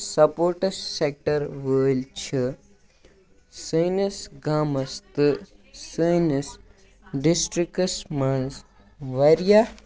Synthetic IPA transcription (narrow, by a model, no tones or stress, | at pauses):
sɐpoːɾʈɐsːek̚ʈɐɾʋəːlt͡ʃʰi | sənɐsɡaːmɐst̪ɨsənis | ɖisʈɾikɐsmɐns | ʋɐɾija